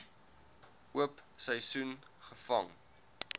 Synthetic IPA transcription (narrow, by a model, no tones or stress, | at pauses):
uəpsəjsunχəfɐŋ